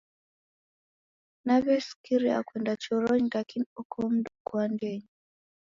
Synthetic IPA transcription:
naβɛskiɾia̰kwɛndat͡ʃɔɾɔɲilakiniɔkʰɔm̩dukwandɛɲi

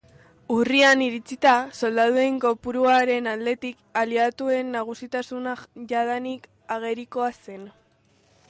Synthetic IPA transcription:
urianiɾit͡sit̪aso̞ld̪aðue̞ŋko̞puɾuaɾe̞nald̪e̞t̪ikaliat̪ue̞nːaɣ̞usit̪asunaʝaðanik | aɣ̞e̞ɾiko̞ase̞n

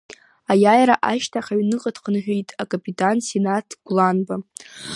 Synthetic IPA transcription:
ajajɾaʔaʃtʰaχaɥnɨqʼadʰqʰənħᶣejtʼakʼapʼitʼansenatʰɡ̥ʷlanba

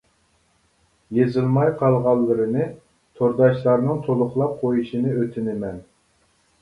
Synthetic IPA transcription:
jezɪlˠmɑjqʰɑlˠʁɑlˠːɨɾɨnɨ | t̪ʰoɾd̪ɑʃlˠɑɾnɨŋt̪ʰolˠʊχlˠɑp̚qʰojuʃinɨøt̪ʰɪnɪmɛn

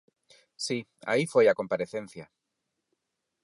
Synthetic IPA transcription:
sia̰ifwe̞jako̞mpaɾe̞θẽ̞nθja

